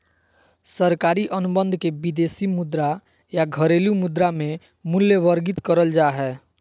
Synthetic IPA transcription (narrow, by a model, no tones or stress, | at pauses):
səɾkaːɾiʔənubə̃nd̪ʱkebid̪esimʊd̪ɾa | jaɡʱəɾelumud̪ɾamẽ | mʊljəʋəɾɡɪt̪kəɾəld͡ʒaɦɛː